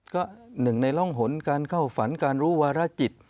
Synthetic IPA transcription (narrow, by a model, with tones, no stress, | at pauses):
kɔː˥˩nɯ˨˩ŋna˧jlɔ˥˩ŋɦo˩˦nkaː˧nkʰa˥˩wfa˩˦nkaː˧nɾuː˦˥waː˧ɾa˦˥˩t͡ɕi˨˩t̪̚